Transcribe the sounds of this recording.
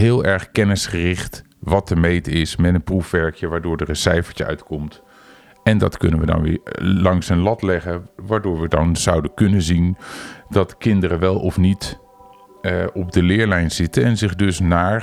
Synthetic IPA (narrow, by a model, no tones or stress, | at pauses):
ɦɪːlˠɛɹχkɛnəsχərɪχt | ʋɑtəmejtɪsmɛtənprufʋɛɹkjəʋaːɹdʊːɹdərənsɛjfə̥ɹt͡ʃəœ̰ɥtkɔmt | ɛndɑ̰tkɵ̰nənʋədɑ̰nʋɪ̰lɑŋsənlɑtlɛχəʋaːɹdʊːɹʋədɑnz̥ɑwdəkɵnənzindɑtkɪndərəʋɛlˠɔfnit | ɔbdəlɪːɹlɛjnz̥ɪtənɛnzɪχdɵsnaːɹ